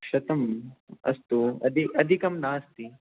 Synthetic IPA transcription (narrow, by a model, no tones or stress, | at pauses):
ʃɐt̪ɐmɐ̰st̪uɐ̰d̪ʱiʔɐd̪ʱikɐmnaːst̪i